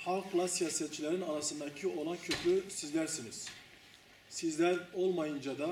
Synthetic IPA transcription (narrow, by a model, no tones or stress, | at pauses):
hɑlˠqʰlˠɑsijaːsɛt̪̚t͡ʃʰilʲæɾinɑɾɑsɯnd̪ɑcʰio̞lˠɑncʰøpʰysizlæɾsiniz̥ | sizlæɾo̞lˠmɑjɯnd͡ʒɑd̪ɑ